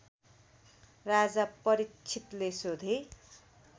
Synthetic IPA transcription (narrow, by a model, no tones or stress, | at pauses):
rad͡zapːʌɾit͡ʃʰit̪lesod̪ʱe